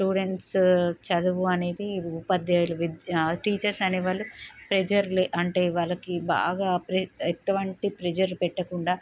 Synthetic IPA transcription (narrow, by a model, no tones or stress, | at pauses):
ʈuːɽe̞ɳʈst͡ʃɐd̪uʋuɐne̞ːd̪iupɐd̪jɐːluʋid̪ʈiːt͡ʃɐɾsɐneːʋaːɭːupɾed͡ʒɐɾleʔɐɳʈe̞ːiʋaːɭːɐkiba̰ːɡaːpɾeet̪uʋɐɳʈipɾed͡ʒɐɾpɛʈːɐkuɳɖaː